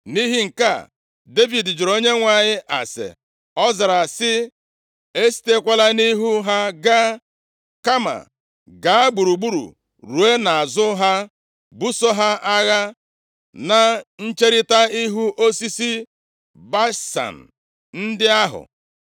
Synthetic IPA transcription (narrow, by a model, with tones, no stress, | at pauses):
ni˦ɦi˦ŋ̩˨ka̰˦˨ | de˦vi˨dd͡ʒʊ˨ɾo˦ɲe˦ŋʷa˨ɲɪ˦ʔa˨sḛ˨ | ɔ˦za˨ɾa˨sɪ˦ | e˦si̥˦te˦kʷa˦la˦ni˦ɦu˦ɦa˦ɡa˦ | ka˦ma̰˨ | ɡa˨a˦ɡ͡bu˨ɾu˨ɡ͡bu˦ɾṵ˨ | ɾu˨e˦na˨a˨zʊ˦ɦa˦ | bu˦so˦ɦa˦ʔa˦ɣa˦ | na˨n̩˦t͡ʃe˦ɾɪ˦ta˦i˦ɦu˦ʔo˦si˦si˦ | ba˦sa̰˨n̩˨ | n̩˦dɪ˦a˦ɦʊ̰˨